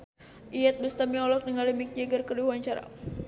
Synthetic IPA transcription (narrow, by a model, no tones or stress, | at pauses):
ʔiɛt̪̚bəst̪amiɔlɔk̚nəŋalimik̚aɡərkəriwaɲt͡ʃaɾa̰